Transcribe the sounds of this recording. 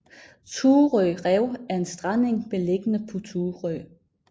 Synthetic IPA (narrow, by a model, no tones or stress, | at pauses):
t͡sʰuːʁœʁɛʊ̰æɐe̝nsd̥ʁɑne̝ŋmele̝ɡ̥ənəpʰot͡sʰuːʁœː